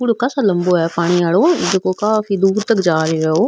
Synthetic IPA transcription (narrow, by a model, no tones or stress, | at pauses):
ʊɽkasaləmboːɛːpaːɽ̃iːaːloːɪd̪koːkaːfiːd̪uːɾt̪əkd͡ʒaːɾeːeoː